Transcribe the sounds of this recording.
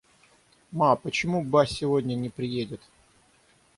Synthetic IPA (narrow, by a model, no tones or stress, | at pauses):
mapət͡ɕɪmubasʲɪvodʲnʲənʲɪpɾʲɪjedʲɪt̪